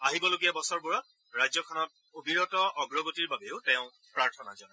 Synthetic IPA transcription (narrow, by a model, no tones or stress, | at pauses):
aɦibɔloɡiabɔsɔɹbuɹɔt | ɹajzɔkʰɔnɔt̚ | obiɹɔtɔʔɔɡɹɔɡotiɹbabeʊtɛ̃ʊ̃ | pɹaɹtʰɔnazɔn